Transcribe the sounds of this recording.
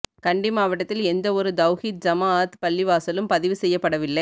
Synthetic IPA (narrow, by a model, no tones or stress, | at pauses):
kɐɳɖɪmaːʋɐʈɐt̪ːɪlɛnd̪ɐɔɾɯd̪ɐʊɣit̪̚d͡ʒɐmaːt̪pɐlːɪʋaːsɐlɯmpɐðɪʋɯsɛjːɐpːɐɽɐʋɪlːɐɪ